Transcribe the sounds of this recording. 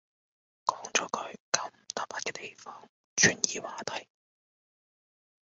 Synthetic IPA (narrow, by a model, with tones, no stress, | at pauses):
kɔː˨˥ŋt͡ʃɔː˨˧˥kʰɵ˨˧ɥkɐ˨˥wm̩˨˩t̪aː˨˥p̚paː˧t̚kɛː˧t̪e˨jfɔː˧˥ŋ | t͡ʃʰyː˨˩njiː˧waː˨t̪ʰɐ˨˩j